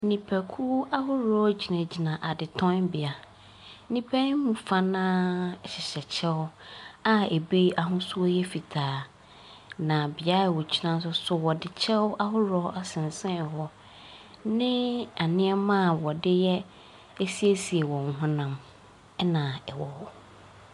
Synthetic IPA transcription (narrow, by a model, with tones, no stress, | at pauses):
nĩ˨pʰɛ˨kʰu˦a˦hʊ˦ɾɔ˦d͡ʑi˨nã˨d͡ʑi˨nã˨ʔa˨dɪ˨tʰɔ̃˦nbɪ˨a˨ | nĩ˦pʰɛ˦n˦mũ˨fa˦nãː˦˨ɕɪ˨ɕɛ˨t͡ɕʰɛ˦wʊ˦a˦e˨bi˦a˨ɦʊ̃˦su˦ɔ˦jɛ˦fi˨tʰaː˨ | nã˨bɪ˨a˦˨wɔ˨t͡ɕʰi˦nã˦s̬ʊ˦sʊ˨wɔ˨dɪ˨t͡ɕʰɛ˦wʔa˦ɦʊ˦ɾɔ˦ʔa˦sɪ̃˨n˨sɛ̃˦˨ɦɔ˦ | nɪ̃˦a˨nɪ̃˦ɛ˦mã˦˨wɔ˨dɪ˦jɛ˦ | e˦si˦e˦si˨ɛ˨wɔ̃˨ŋ̩˦ɦʊ̃˦nã˨m˦ | nã˨ɛ˨wɔ˨w